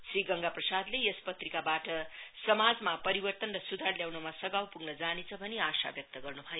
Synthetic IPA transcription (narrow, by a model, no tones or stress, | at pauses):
sriɡʌŋɡaprʌsad̪leespʌt̪rikabaʈʌsʌmad͡zmapʌɾibʌrt̪ʌnrʌsud̪ʱarljawnumasʌɡawpuɡnʌd͡zanet͡sʰʌbʱʌneasa̰bjʌk̚t̪ʌɡʌrnubʱʌjo